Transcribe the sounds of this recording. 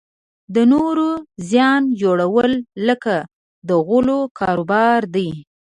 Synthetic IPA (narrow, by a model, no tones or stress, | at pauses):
d̪ənoɾozjɑnd͡ʒoɽawəlːəka | d̪əɣʊlokʰɑɾobɑɾd̪əj